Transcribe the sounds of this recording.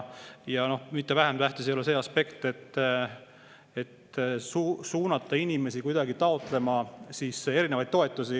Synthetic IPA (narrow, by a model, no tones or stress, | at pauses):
jɑno̞hmit̪ːevæɦæmt̪æht̪isejulese̞ːɑspe̞kt̪et̪ː | e̞t̪ːsusuːnɑt̪ːˑɑinʲime̞sikujd̪̥ɑɡit̪ɑo̞t̪ˑle̞mɑsiːse̞ɾine̞vɑjd̪̥t̪o̞e̞t̪ːˑusi